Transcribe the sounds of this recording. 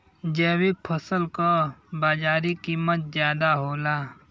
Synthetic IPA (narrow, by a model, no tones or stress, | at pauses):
d͡ʒɛːwik̚pʰəsəlkabaːd͡ʒaːɾikiːmət̪̚zjaːd̪aɦoːlaː